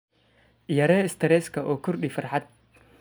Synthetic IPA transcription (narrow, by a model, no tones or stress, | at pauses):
jɐɾɛːɪst̪ʰɛɾɛːskʰɐʔɔːkʰʊrɗɪifɐrħɑd̪̚